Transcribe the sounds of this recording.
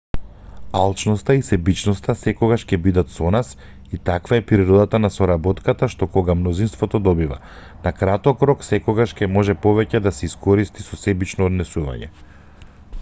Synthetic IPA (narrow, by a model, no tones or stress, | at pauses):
alˠt͡ʃnɔst̪aisɛbit͡ʃnɔst̪asɛkɔɡaʃcɛbid̪at̪sɔnas | it̪akvaɛpɾiɾɔd̪at̪anasɔɾabɔt̪kat̪aʃt̪ɔkɔɡamnɔzinst̪vɔt̪ɔd̪ɔbiva̰ | nakɾat̪ɔkɾɔksɛkɔɡaʃcɛmɔʒɛpɔvɛcɛd̪asɛiskɔɾist̪isɔsɛbit͡ʃnɔːd̪nɛsuva̰ɲɛ̰